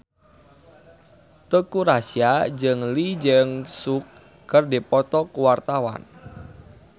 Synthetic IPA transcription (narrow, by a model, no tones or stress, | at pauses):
t̪əkuɾasiad͡ʒɨŋlid͡ʒəŋsukː | ərdipɔt̪ɔkuwart̪awa̰n